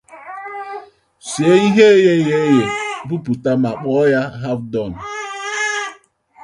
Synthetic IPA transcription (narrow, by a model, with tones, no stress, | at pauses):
si˨e˦i˦ɦe˦je˦je˦je˨bu˦pu˨ta˦ma˨k͡pɔ˦ja˦ɦa˦vdɔ˦˨n̩˨